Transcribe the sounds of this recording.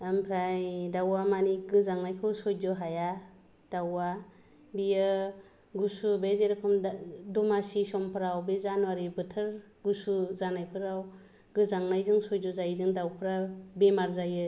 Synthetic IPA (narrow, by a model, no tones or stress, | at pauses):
ampʰɾajdawamaniɡɯzaŋnajkʰɯwsɔjzɔɦaja | d̥awa | bijɯ | ɡusubezeɾakʰɔmdɔmasisɔmpʰɯɾawbezanwaɾibɯtʰɯɾ | ɡusuzanajpʰɯɾaw | ɡɯzaŋnajzɯŋsɔjzɔzajzɯŋdawpʰɯɾabemaɾzajɯ